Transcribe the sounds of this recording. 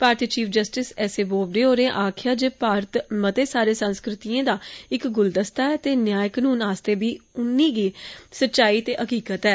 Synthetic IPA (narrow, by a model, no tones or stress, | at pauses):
paːɾt̪iːt͡ʃiːpʰd͡ʒəsʈɪsɛːseːboːbɖeːoːɾẽːʔaːkʰjaːd͡ʒeːpaːɾt̪mət̪eːsaːɾeːsə̃nskɾɪt̪iẽːd̪aːɪkɡʊld̪əst̪aːɛːt̪eːnjaːjəknuːnaːst̪eːbiːʊnːiːɡiːsətːʃaːiːt̪eːʔəkiːkət̪ɛː